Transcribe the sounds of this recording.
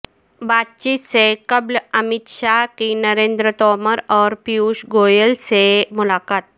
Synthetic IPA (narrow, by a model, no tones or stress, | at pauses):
bat̪̚t͡ɕiːt̪sekəbləmit̪ɕakinəɾẽnd̪ɾət̪ɔməɾɔɾpiuɕɡojəlsemulakat̪̚